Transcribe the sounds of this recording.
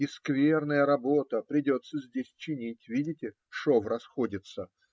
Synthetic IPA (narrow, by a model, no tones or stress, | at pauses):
ɪskvʲernəjəɾɐbo̞t̪əpɾʲɪdʲo̞t̪sːəzʲdʲesʲt͡ɕɪnʲitʲvʲidʲɪtʲɪ | ʂovrɐsxodʲɪt̪sə